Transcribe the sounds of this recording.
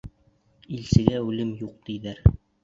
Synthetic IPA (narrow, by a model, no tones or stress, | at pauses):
ilsɘ̆ɡæʉlɘmjuq̚d̪ijðæɾ